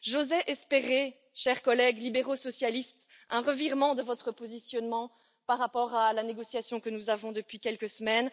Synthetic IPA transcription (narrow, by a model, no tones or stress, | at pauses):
ʒozɛʔɛspeʁe | ʃɛʁkɔlɛɡlibeʁosɔsjalist̪ | ɛ̃ʁəviʁmɑ̃d̪əvɔt̪χəpozisjɔnmɑ̃ | paʁːapɔʁalaneɡɔsjasjɔ̃kənuzavɔ̃d̪əpɥikʲɛlkəsəmɛn